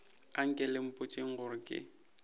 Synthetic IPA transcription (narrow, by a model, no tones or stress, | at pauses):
aŋ̩kʼɪlɪm̩pʼʊt͡ʃʼeŋ̩ɣʊɾɪkʼɪ̰